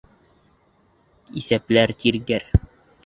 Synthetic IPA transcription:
isæplæɾt̪iɾɡæɾ

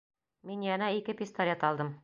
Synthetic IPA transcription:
minjɑnæikɘpist̪olʲet̪ɑlˠd̪ɤm

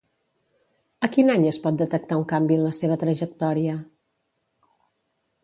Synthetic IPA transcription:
əkinaɲəspɔt̪̚d̪ət̪ək̚t̪auŋkambiənləseβ̞ət̪ɾəʒək̚t̪ɔɾiə

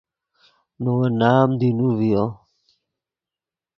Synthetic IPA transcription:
nowanaːmd̪inuvijo

